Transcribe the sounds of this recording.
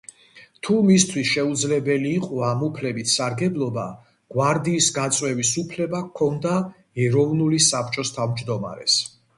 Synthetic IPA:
t̪ʰumist̪ʰwisʃɛud̪zlɛbɛliːqʼɔamupʰlɛbit̪ʰsaɾɡɛblˠɔba | ɡ̥waɾd̪iːsɡat̪sʼwɛvisupʰlɛbakʰɔnd̪a | ɛɾɔvnulisapʰt͡ʃʼɔst̪ʰavmd͡ʒd̪ɔma̰ɾɛ̰s

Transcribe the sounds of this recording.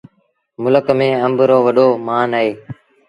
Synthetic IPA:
mʊləkmẽːəmbʱɾoːʋəɗoːmaːnaeː

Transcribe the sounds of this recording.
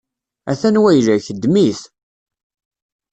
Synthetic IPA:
æθænwæjlæçəd̪miθ

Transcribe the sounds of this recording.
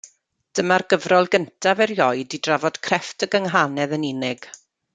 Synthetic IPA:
d̥əmarɡ̥əvrɔlˠɡəntʰavɛrjɔɨdidravɔd̥kʰrɛftʰəɡəŋɦanɛðəninɪɡ̥

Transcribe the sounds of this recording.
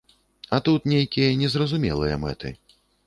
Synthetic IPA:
ɐt̪ut̪nʲejkʲijɐnʲɛzɾɐzumʲɛ̰lˠɨjɐ̰mɛ̰t̪ɨ̰

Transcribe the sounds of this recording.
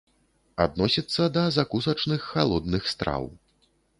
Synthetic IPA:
ad̪nɔsʲit̪sːɐd̪ɐzakusɐt͡ʂnɨxːalˠɔd̪nɨxst̪ɾa̰w

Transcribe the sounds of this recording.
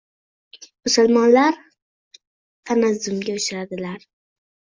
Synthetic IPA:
mʊsʊlmɒnlaɾ | t̪ʰanazʊmɡʲaʊʃɪɾad̪ɪlaɾ

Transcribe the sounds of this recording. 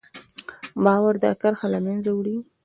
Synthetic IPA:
bɑwaɾd̪əakaɾxalamanzawɽi

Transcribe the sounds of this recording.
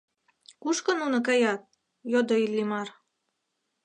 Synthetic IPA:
kuʃkɤ̆nunɤ̆k̬ɑjɑt̪̚ | jod̪oilːimɑr

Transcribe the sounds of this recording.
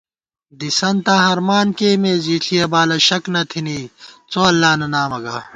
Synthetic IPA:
d̪isɐnt̪aːɦɐɾmaːnkeːmeːziːɬʰijɐbaːlɐɕɐknɐt̪ʰiniːt͡soːɐlːaːnɐnaːmɐɡa̰ː

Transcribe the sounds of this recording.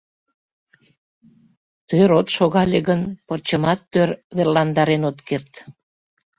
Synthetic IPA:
t̪øɾot̪ʃoɣɑleɣənpərt͡ɕəmɑt̪ːørβerlɑnd̪ɑɾenot̪kert̪

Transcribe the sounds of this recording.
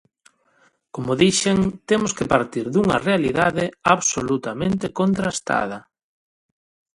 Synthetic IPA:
komʊðiʃeŋt̪emʊskepaɾt̪iɾðuŋɐ̰realiðaðeaβsolut̪amẽnt̪ekont̪ɾast̪a̰ð̞ɐ

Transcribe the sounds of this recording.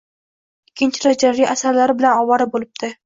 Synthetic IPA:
ɪkʲʰːɪnt͡ʃʰɪɾad͡ʒaɾiʔasaɾlaɾɪbɪlanɒwaɾɪbolɪb̚d̪̥ʰɪ

